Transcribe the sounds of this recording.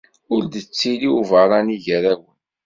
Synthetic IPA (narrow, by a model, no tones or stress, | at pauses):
ʊɾd̪ət͡sːiliuvəɾˤɑniʝəɾæwən